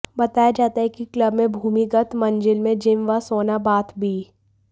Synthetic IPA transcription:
bɐt̪aːjad͡ʒaːt̪aɦɛkikləbmẽbʱuːmiɡət̪mɐ̃nd͡ʒɪlmẽd͡ʒɪmʋasoːnabaːt̪bʱiː

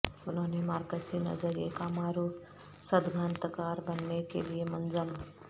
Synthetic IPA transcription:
ʊnɦõnemaːɾkəsinə̰d͡ʒəɾjḛkamaɾu | səd̪ɡʱaːnt̪əkaːɾbənːekḛliemənd͡ʒəm

